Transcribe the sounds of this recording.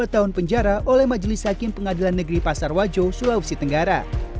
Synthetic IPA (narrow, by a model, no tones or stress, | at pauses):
at̪aɦʊnpəɲd͡ʒaɾaʔolɛhmad͡ʒlɪshakɪmpəŋadilanːəɡɾipasarwad͡ʒosulausit̪əŋɡaɾa̰